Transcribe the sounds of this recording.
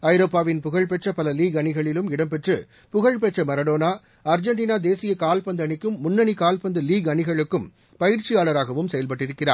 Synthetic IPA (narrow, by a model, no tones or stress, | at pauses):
ɐɪɾoːpːaːʋɪnpʊɣɐɭpɛʈrɐpɐlɐliːɡɐɳɪɣɐɭɪlɯmɪɽɐmpɛʈrɯ | pʊɣɐɭpɛʈrɐmɐɾɐɽoːnaː | ɐɾd͡ʒɐɳʈiːnaːd̪eːsɪjɐkaːlpɐnd̪ɐɳɪkːɯmːʊnːɐnikaːlpɐnd̪ɯliːɡɐɳɪɣɐɭɯkːɯm | pɐjɪɾt͡ʃɪjaːɭɐɾaːɣɐʋɯmsɛjɐlpɐʈːɪɾɯkːɪra̰ː